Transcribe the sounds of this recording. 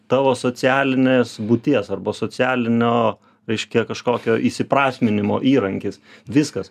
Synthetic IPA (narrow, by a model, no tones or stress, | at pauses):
t̪ɑːʋoːsoːt͡sʲæːlʲɪnʲeːsbut̪ʲiɛsɐrbɐsoːt͡sʲæːlʲɪnʲoː | ɾʲɛɪʃʲkʲɛkɐʃkoːkʲoːʔisʲɪpɾɑːsʲmʲɪnʲɪmo̰ːʔiːɾɐŋʲkʲɪsʋʲɪskɐs